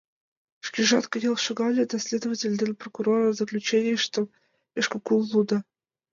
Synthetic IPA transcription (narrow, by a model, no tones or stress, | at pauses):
ʂkʲiʐɑt̪kəjɑlˠʂəɡɑlʲɪd̪ɐsʲlʲed̪əvətʲɪlʲd̪ʲelʲprokuɾoɾəzəklʲut͡ɕenʲɪjʂt̪o | eʂkəkulˠːud̪ə